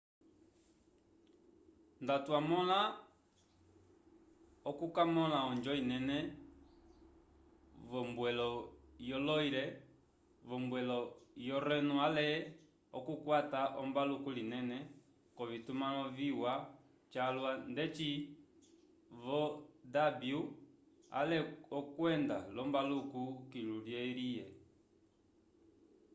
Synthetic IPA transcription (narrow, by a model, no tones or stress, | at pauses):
ndatwamɔla | ɔkukamɔlaɔnd͡ʒɔinɛnɛ | vɔmbwɛlɔjɔlɔiɾɛ | vɔmbwɛlɔjɔɾɛnualɛ | ɔkukwataʔɔmbalukulinɛnɛ | kɔvitumaɔviwa | t͡ʃalwandɛt͡ʃi | vɔdabju | a̰lɛɔkwɛndalɔmbalukukiluljɛlijɛ